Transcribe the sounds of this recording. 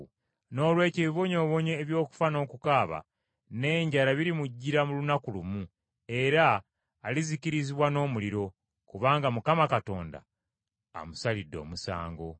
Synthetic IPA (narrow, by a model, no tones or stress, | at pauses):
no̞ːlwe̞ːceβiβo̞ɲo̞ːβo̞ɲeːβjo̞ːku̥fano̞ːkukaːβa̰ | ne̞ːɲɟalaβiɾimuɟːiɾamulunakulumu | e̞ɾaː | liziciɾiziβwano̞ːmuliɾo̞ | kuβaːŋɡamukamakato̞̰ːnda̰ː | musalidːo̞̰musa̰ːŋɡo̞̰